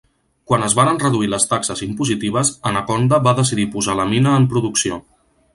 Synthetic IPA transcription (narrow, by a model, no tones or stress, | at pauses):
kwanəzβaɾənrəðuiləst̪aksəzimpuzit̪iβ̞əzənəkond̪əβaðəs̬iðipuzaləminəːmpɾuðuksio